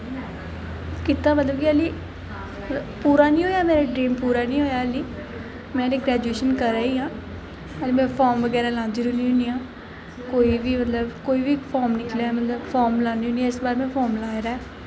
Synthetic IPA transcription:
kɪt̪aːmət̪ləbkɪəliː | puːɾaːnĩːɦoːjaːmɛ̃ːɾeɖɾĩːmpuːɾaːnĩːɦoːjaːəliː | mɛ̃ːneːɡɾɛːd͡ʒueːʃənkəɾaːiːɦãː | əliːmɛ̃ːpʰɔːɾmʋəɡɛːɾaːlãːnd̪iːɾʊniːʊ̃niːãː | koːiːʋiːmət̪ləbkoːiːʋiːpʰɔːɾmnɪkleaɛmət̪ləbfʰɔːɾmlãːnd̪iːõːniɛːɪsbaːɾmɛ̃ːpʰɔːɾmlaːɾaːɛː

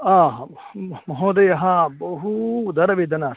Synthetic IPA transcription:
aːɦa | mɐɦõːd̪ɐjɐɦãbɐɦud̪ɐɾɐʋid̪ɐnaːs

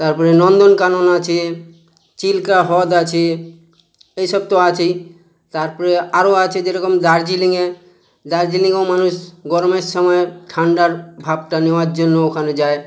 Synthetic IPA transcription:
t̪aɾpɔɾenɔnd̪onkanonat͡ɕʰi | t͡ɕilkaɦɔd̪at͡ɕʰie | ejʃɔb̚t̪oat͡ɕʰe | t̪aɾpɔɾeaɾoat͡ʃʰed͡ʑeɾɔkomd̪aɾd͡ʑiliŋe | d̪aɾd͡ʑiliŋomanuʃɡɔɾomeʃɔmɔeʈʰaɳɖaɾbʱab̚ʈanewaɾd͡ʑonːookʰaned͡ʑae

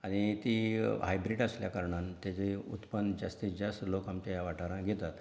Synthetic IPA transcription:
aɽ̃it̪iːɦajbɾiʈəsljakəɾɳant̪jat͡seṵt̪pənd͡ʑast̪isd͡ʑəst̪lokamt͡ɕajaʋaʈʰaɾãɡʱet̪at̪

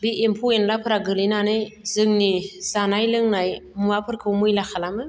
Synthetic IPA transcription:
biʔempʰuenlapʰɯɾaɡɯlinanɯjzɯŋniz̥anajlɯŋnajmuapʰɯɾkʰɯwmɯjlakʰalamɯ

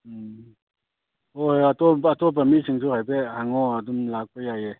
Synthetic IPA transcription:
ɔatɔatɔb̬amisʰɯŋtuhajbehaŋɔadumlak̚pajaje

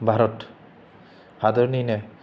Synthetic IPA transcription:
bʱaɾɔt̪ | had̪ɔɾnijne

